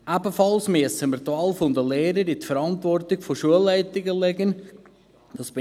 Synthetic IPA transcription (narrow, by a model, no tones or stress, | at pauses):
ʔæbəfɑlsmyəsəməɾt̪wɑːlfond̪əleːɾəɾitfəɾɑnt̪vɔrtɪɡfoʃuəlːæɪtɪɡəlɛɡən | d̥ɑsb̥ɪ